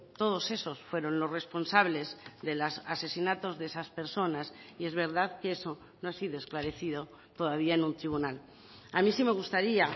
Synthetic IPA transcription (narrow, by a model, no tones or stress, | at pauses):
t̪o̞ð̞o̞se̞so̞sfwe̞ɾo̞nlo̞zrespo̞nsaβle̞zðe̞lasase̞sinat̪o̞zðesaspe̞ɾso̞nasie̞zβe̞ɾðaðkee̞so̞ | noasiðo̞e̞sklaɾe̞θiðo̞ | t̪o̞ðaβiaenũnt̪ɾiβ̞unal | amĩsime̞ɣ̞ust̪aɾia